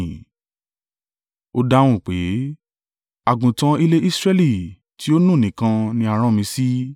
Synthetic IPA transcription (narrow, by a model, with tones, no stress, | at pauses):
o˧da˧˦w̃ũ˦˨k͡pe˨˦ | a˨ɡũ˨tã˧i˦le˦ʔi˦sɾɛ˦li˦˨ | ti˨˦o˦nũ˦˨nĩ˨kã˧nĩ˧a˧˨ɾ̃ã˦mĩ˧si˦